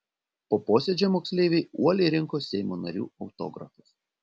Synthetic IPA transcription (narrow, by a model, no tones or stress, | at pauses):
poːpoːsʲɛd͡ʒʲɛmoːksʲlʲeːʋʲeɪuɔlʲɛɪɾʲɪŋkoːɛɪmoːnɐ̰ɾʲṵːɒʊt̪o̰ːɡɾɐ̰fɐs